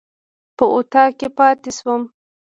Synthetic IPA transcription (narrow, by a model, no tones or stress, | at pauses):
pəʔot̪ɑkepɑt̪eʃwəm